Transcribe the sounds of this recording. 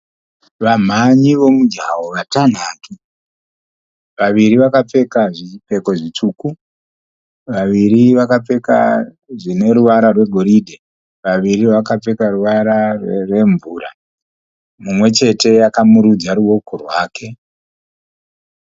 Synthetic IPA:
ʋam̤aɲiʋo̞mud͡ʒawoʋatan̤atʰu | ʋaʋiɾiʋakap͡fe̞kaʐipe̞ko̞ʐit͡ʂuku | ʋaʋiɾiʋakap͡fe̞ka | ʐine̞ɾuʋaɾarwe̞ɡʱo̞ɾidʱe | ʋaʋiriʋakap͡fe̞karuʋaɾarrwe̞ɱvuːɾa | mumwe̞t͡ʃe̞te̞jakamuɾud͡zaɾuwo̞korwaːkʰe̞

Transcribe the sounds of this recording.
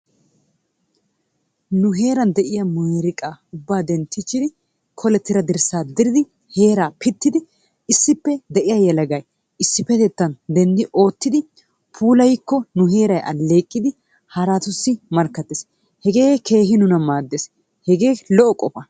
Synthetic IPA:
nʊɦe̞ːɾɐnd̪ɛʔɪjɐmʊjeɾɪkʼaːʊbːaːd̪ɛnt̪ːɪt͡ʃːɪd̪ɪ | kʰɔlɛt̪ːɪɾɐd̪ɪɾsaːd̪ɪɾɪd̪ɪ | he̞ːɾaːpɪt̪ːɪd̪ɪ | ɪsːɪpːɛd̪ɛʔɪjajɛlɐɡɐj | ɪsːɪpɛt̪ɛt̪ːɐnd̪ɛnd̪ɪʔo̞ːt̪ːɪd̪ɪ | pʰuːlɐjɪkːɔnʊɦe̞ːɾɐjɐ̰lːe̞ːkʼːɪd̪ɪ | hɐɾat̪ʊsːɪmɐɾkːɐt̪ːɪs | hɛɡe̞ːke̞ːɦɪnʊnɐmaːd̪ːes | hɛɡe̞ːlɔʔɔkʼɔfɐ

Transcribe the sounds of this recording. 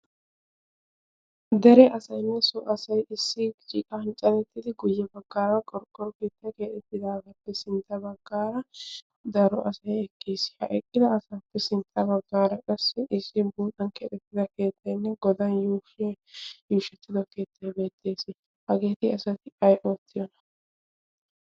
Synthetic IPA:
d̪ɛɾɛʔɐsɐjnːɛsɔʔɐsɐjʔɪsːɪt͡ʃʼḭːkʼɐhɐnt͡ʃʼɐlɛt̪ːɪd̪ɪɡʊjːɐbɐɡːaːɾɐkʼɔɾkʼːɔɾɔke̞ːt̪ːɐjkeːᶑ̪ɛt̪ːɪd̪aːɡɐpːɛsɪnt̪ʰːɐbɐɡːaːɾɐ | d̪ɐɾɔʔɐsɐjɛkʰːeːsɪ̥hɐ̰ʔɛkʼːɪd̪ɐːsaːpːɛsɪnt̪ʰːɐbɐɡːaːɾɐkʼɐsːɛʔɪsːɪbuːt̪ʼɐnkeːt̪ɛt̪ːɪd̪ɐke̞ːt̪ʰːɐjnːɛɡɔd̪ɐnjuːfɔj | juːʃɛt̪ːɪd̪ɔke̞ːt̪ʰːɐjbe̞ːt̪ʼːe̞ːsɪ | hɐɡe̞ːt̪ɪɐsɐt̪ɪɐjʔoːt̪ʰːɪjɔnɐ̥

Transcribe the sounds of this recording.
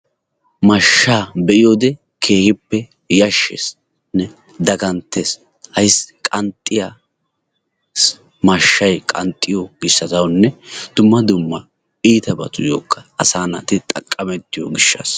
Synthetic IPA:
mɐʃːaːbɛʔɪjoːd̪ɛ | kʰeːhɪpːɛ | jɐʃːḛs | nɛ | d̪ɐɡɐnt̪ːeːs | hɐjskʼɐnt̪ʼːɪja | s | mɐʃːɐjkʼɐnt̪ʼːɪjoɡɪsːɐt̪ɐwnːɛd̪̥ʊmːɐd̪ʊmːɐ | iːt̪ɐbɐt̪ʊjo̰ːkʰːɐ̥ɐsaːnɐt̪ɪt̪ʼɐkʼːɐmɛt̪ːɪjo̰ɡɪʃːɐ̰ːs

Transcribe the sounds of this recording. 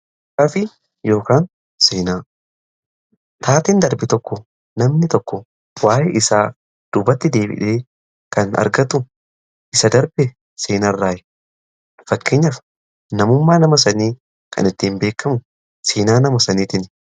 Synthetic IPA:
ɐfɪ | jo̞ːkaːn | seːnaː | t̪ʰaːt̪ɪnd̪ɐɾbɪt̪ɔkːɔ | nɐmnɪt̪ɔkːɔ | waːʔɛʔɪsaː | d̪̥ubɐt̪ːɪd̪e̞ːbɪ̰ᶑeː | kɐnɐ̰ɾɡɐt̪ʊ | ʔɪsɐd̪ɐɾbɛ | seːnarːaːjɛ̥ | fɐkːe̞ːɲːɐf | nɐmʊmːaːnɐmɐsɐniː | kʰɐ̰nɪt̪ːiːmbe̞ːkːɐmʊ | seːnaːnɐmɐsɐniːt̪ɪn

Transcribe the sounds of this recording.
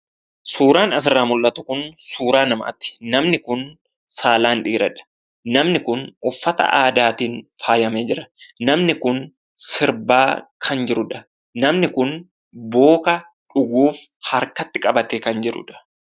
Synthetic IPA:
suːɾaːnɐsɪrːaːmʊlːɐt̪ʊkʊnsuːɾaːnɐmɐʔɐ̰t̪ːɪ̥nɐmnɪkʊn | saːlaːnᶑiːɾɐᶑɐ̥ | nɐmnɪkʊnʊfːɐt̪ɐ̰ʔaːd̪aːt̪iːnfaːjɐmeːd͡ʒɪɾɐ̥nɐmnɪkʊn | sɪɾbaːkʰɐnd͡ʒɪɾʊᶑɐ | nɐmnɪkʊn | bo̞ːkɐ | ᶑʊɡuːfhɐɾkɐt̪ːɪkʼɐbɐt̪eːkɐnd͡ʒɪɾʊ̰ᶑɐ̥

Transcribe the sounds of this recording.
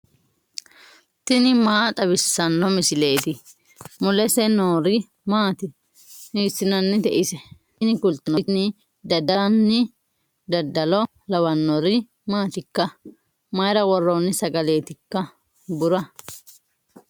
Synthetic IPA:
t̪ɪnɪmaːt̪ʼɐbɪsːɐnːɔmɪsɪle̞ːt̪ɪ | mʊlɛsɛnoːɾɪ | maːt̪ɪ | niːsːɪnɐnːɪt̪ɛʔɪsɛ | nɪkʊlt̪ɐnɔnɪ | d̪ɐd̪ɐnːɪ | d̪ɐd̪ɐlɔ | lɐwɐnːɔɾɪ | maːt̪ɪkːɐ | mɐjɾɐwɔrːɔnːɪsɐɡɐleːt̪ɪkːɐ | bʊɾɐ

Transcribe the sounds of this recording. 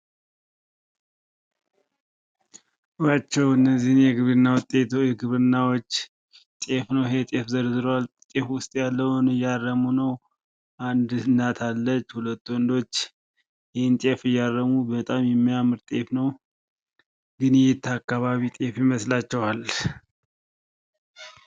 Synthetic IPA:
ɨwat͡ʃːɛwɨnːəzːihɨnjɛɡɨβɾɨnːawt̪ʼeɛɡɨβɾɨnːawot͡ʃː | t̪ʼe̞fnəwɦet̪ʼefzəɾzɨɾowalt̪ʼefwʊst̪ʼjalːəhwunɨjːarːəmunəw | ʔand̪nːat̪ʰalːət͡ʃːhulət̪ːuwɔnd̪o̞t͡ʃː | jɛhent̪ʼefɨjːarːəmubət̪ʼamjɛmːijamɨɾt̪ʼe̞fnəw | ɡɨnjɛt̪ʰːakːaβaβit̪ʼefɪməslat͡ʃːɛwal

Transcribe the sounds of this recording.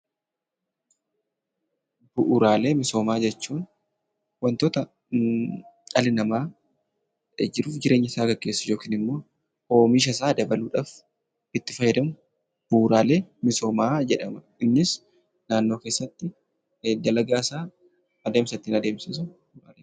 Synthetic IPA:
b̥ʊʔʊɾaːle̞ːmɪso̞ːmaːd͡ʒɛt͡ʃːuːn | wɐnt̪oːt̪ɐ | ɐlɪnɐmaː | d͡ʒɪɾuːfd͡ʒɪɾʔe̞ːɲːɪsaːɡɐɡʼːe̞ːsːɐ̥d͡ʒo̞ːkiːnɪmːo̞ː | o̞ːmɪʃ̬ɐsaːd̪ɐbɐluːᶑaːf | ɪt̪ːɪfɐjɛd̪ɐmʊ | b̥uːɾaːle̞ːmɪso̞ːmaːd͡ʒɛᶑɐmɐ | ɪnːɪs | naːnːoːkeːsːɐt̪ːɪ | d̪ɐlɐɡaːsaː | ɐd̪eːmsɐt̪ːɪnɐd̪e̞ːmsɐsʊ | ɾaːle

